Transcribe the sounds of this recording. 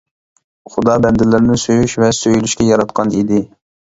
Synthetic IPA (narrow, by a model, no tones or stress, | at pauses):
χʊd̪ɑːbɛnd̪ɪlːɪɾnɪsøjyʃvɛsøjlyʃkʲɛjɑɾɑt̪̚qʰɑnid̪ɪ